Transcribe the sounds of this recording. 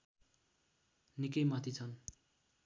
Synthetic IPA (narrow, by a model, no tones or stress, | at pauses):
nikʌjmʌt̪ʰit͡sʰʌn